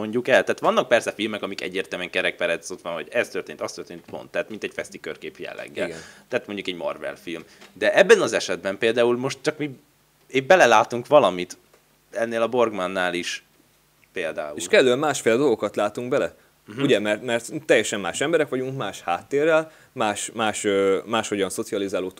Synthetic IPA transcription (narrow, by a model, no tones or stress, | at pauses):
o̞ɲɟukɛlt̪aːt̪ʋɒnːɒk̚pɛrsɛfilmɛkɒmikɛ̰ɟːeːrt̪ɛlmɛŋkɛɾɛk̚pɛɾɛso̞t̪ʋɒnɦɔɟɛst̪ørt̪eːnt̪ɒst̪ørt̪eːnt̪po̞̰nt̪ːɛːt̪mint̪ɛcfɛst̪ikø̰rkeːpjɛ̰lːɛ̰ɡːɛ̰lɡt̪aːt̪mo̞ɲɟukɛɟmɒ̰rvɛ̰lfilmd̪ɛʔɛbːɛnɒzɛʃɛd̪bɛmpeːld̪aːulmo̞ʃt̪̚t͡ʃɒkmi | eːbɛlɛlaːt̪uŋkʋɒlɒmit̪ | ɛnːeːlɒbo̞rɡmanːaːliʃ | peːld̪a̰ːuelʃkɛløɛmmaːʃfeːlɛd̪o̞lˠɡo̞kɒt̪laːt̪uŋɡbɛlɛ | uɟɛmɛrt̪mɛrt̪ːɛjːɛʃɛmːaːʃɛmbɛɾɛkʋɒɟuŋkmaːʃhaːt̪ːeːrːɛl | maːʃmaːʃøːmaːʃho̞ɟɒnso̞t̪siɒlizaːloːt̪